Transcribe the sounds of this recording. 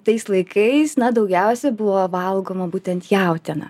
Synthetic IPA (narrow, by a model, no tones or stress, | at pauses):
t̪ɐɪslˠɐɪkʰɐɪsnɐd̪ɐʊɡʲɛʊsʲɛbʊʋoːʋɐlˠɡoːmɐbuːt̪ʲɛnt̪jɛʊt̪ʲɛnɐ̰